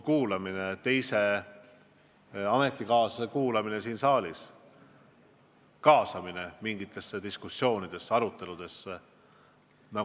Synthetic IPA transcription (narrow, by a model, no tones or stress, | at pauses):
kuːlɑminet̪e̞jse̞ | ɑme̞t̪ːˑikɑːsekuːlɑmine̞siːnsɑːlʲis | kɑːsɑmine̞miŋɡit̪ːˑe̞sːed̪̥iskusːjo̞ːnid̪̥e̞sːɑɾut̪ːˑe̞lud̪̥e̞sːe | nɑ